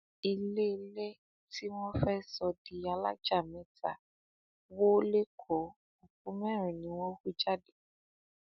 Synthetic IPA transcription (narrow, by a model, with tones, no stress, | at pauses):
i˧le˦˨˦le˦ | ti˦wɔ̃˦fɛ˦sɔ˧di˨a˨la̰˦d͡ʒa˦˨mɛ̃˨˦ta˨ | wo˦le˦kʰɔ˨ | o˨k̚ũ˨˦mɛ̃˦˨ɾ̃ĩ˨nĩ˨˦wɔ̃˦xu˦d͡ʒa˦˨de˨